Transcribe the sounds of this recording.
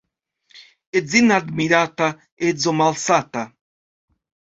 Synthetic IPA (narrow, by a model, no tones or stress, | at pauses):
ezinad̪miɾat̪a | ezomalsat̪a